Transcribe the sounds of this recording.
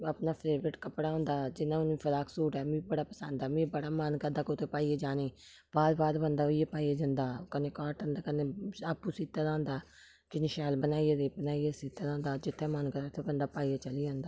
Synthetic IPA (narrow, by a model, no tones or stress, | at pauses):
əpnaːpʰɾeːbɾɪʈkəpɽaːõːnd̪aːd͡ʒɪnãːʊnĩːpʰəɾaːksuːʈɛːmĩːbəɽaːpəsənd̪ɛːmĩːbəɽaːmənkəd̪aːkot̪eːpaːieːd͡ʒaːneː | b̥aːɾbaːɾbənd̪aːoieːpaːiːeːd͡ʒənd̪aːkənẽːkaːʈənd̪aːkənẽːaːpːuːsiːt̪ːaːɾãːnd̪aː | kɪnɪʃɛːlbənaːiedeːbənaːiːesiːt̪aːɾãːnd̪aːd͡ʒɪt̪ʰːeːmənkəd̪at̪ʰeːbənd̪aːpaːiaːt͡ʃəliːd͡ʒãːnd̪aː